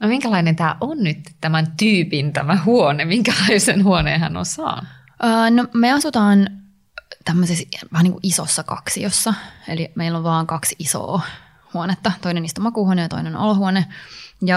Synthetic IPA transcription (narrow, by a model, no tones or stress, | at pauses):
nomiŋkælɑinent̪æːʔonnyt̪t̪æmænt̪yːpint̪æmæhuonemiŋkælɑisenhuoneːhæ̰no̰nsɑ̰ːnu | ʔəːnomeɑsut̪ɑːn | t̪æmːøsesʋɑhniːŋkuʔisosːɑkɑ̰ksiosːɑḛlimeilːoʋʋɑːŋkɑksiso̰ː | huonet̪ːɑt̪oinenist̪omɑkuhuonejɑt̪o̰inenʔo̰lohuonejɑ